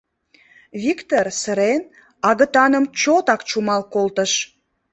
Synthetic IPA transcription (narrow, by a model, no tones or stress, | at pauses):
βikt̪orsəɾen | ɑɣət̪ɑnəmt͡ɕot̪ɑkt͡ɕumɑlkolt̪əʃ